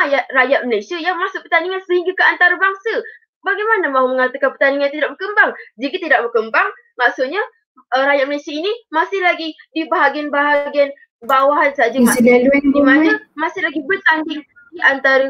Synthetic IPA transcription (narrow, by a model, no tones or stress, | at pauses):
ajaʔ̪̚rajaʔ̪̚məlajsiajaŋmasʊʔ̚pərt̪aniŋansəhiŋɡakəant̪aɾəbaŋsə | baɡajmanəmãɦuməŋart̪əkanpərt̪aniŋant̪idaʔbərkəmbaŋd͡ʒikət̪idaʔ̚bərkəmbaŋ | maʔsuʔɲa | əɾajat̪̚məlasiainimasɪhlaɡidibaɦaɡianbaɦaɡian | bawaɦansad͡ʒamadaddimanəmasɪhlaɡibərt̪aŋdiŋ | diʔant̪aɾə